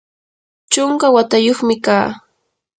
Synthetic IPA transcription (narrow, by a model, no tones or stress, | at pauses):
t͡ʃʊŋkawat̪ajoχmɪkaː